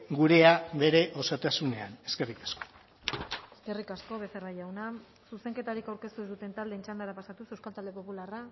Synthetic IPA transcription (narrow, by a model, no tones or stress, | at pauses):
ɡuɾe̞aβe̞ɾe̞ʔo̞sat̪asune̞a̰ne̞ske̞rikḁsko̥o | eske̞rikasko̞βe̞seraʝawna | suse̞ŋke̞t̪aɾikawɾke̞st̪uzðut̪e̞nt̪ald̪e̞ːnt͡ʃand̪aɾapasat̪use̞wskalt̪ald̪e̞po̞pulara